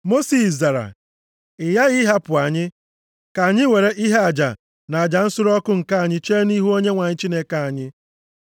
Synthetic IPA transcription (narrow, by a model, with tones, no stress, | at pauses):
mo˦si˨za˨ɾa̰˨ | ɪ˨ja˦ɣɪ˦ɦa˦pʊ˨a˨ɲɪ˦ | ka˨a˨ɲɪ˦we˨ɾe˦ʔi˦ɦe˦a˨d͡ʒa̰˨ | na˨a˨d͡ʒa˨n̩˦sʊ˦ɾɔ˦kʊ˦ŋ̩˨ka˦a˨ɲɪ˦t͡ʃe˦ni˦ɦu˦o˦ɲe˦ŋʷa˨ɲɪ˦t͡ʃi˦ne˦ka˦a˨ɲɪ˦